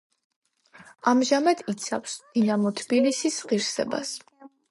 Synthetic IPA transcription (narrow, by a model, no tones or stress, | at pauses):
amʒamad̪̥it̪sʰafsd̪inamɔt̪ʰbilisisʁiɾsɛ̰ba̰s